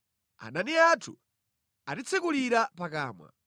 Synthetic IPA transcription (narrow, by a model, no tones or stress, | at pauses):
a̰naniatʰṵ | atit͡sʰɛkuliɾapakaːmwa̰